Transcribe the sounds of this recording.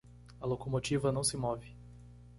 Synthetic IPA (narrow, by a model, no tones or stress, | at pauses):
ɐlokomot͡ʃivɐnɐ̃w̃sɪmɔvɪ